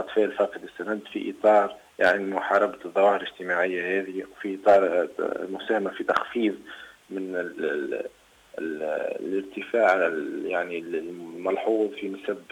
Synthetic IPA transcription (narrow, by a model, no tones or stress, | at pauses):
ʔɑt̪ˤfɛːʔlfɑːqd̪əsːænænd̪fḭʔḭt̪ˤɑːɾˤ | jaʕnimʊħɑːɾˤɑb̪d̪ˤːɑwɑːhɪɾɪʒt̪əmaʕɪjːahɛːðiwfiʔit̪ˤɑːɾˤmʊsæːhmafit̪ɑxfiːðmɪn | ləɾt̪əfaːʕjaʕnilmɑlħuːðˤfinsæb